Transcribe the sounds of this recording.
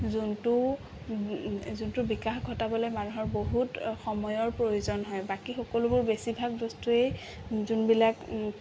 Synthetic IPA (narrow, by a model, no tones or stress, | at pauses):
zuntʊ | zuntʊbikaxɡʱɔtabɔlɛmanuɦɔɹboɦutxɔmɔjɔɹpɹojozɔnɦɔjbakixɔkɔlʊbʊɹbesibʱaɡ̚zɔstuej | zunbilak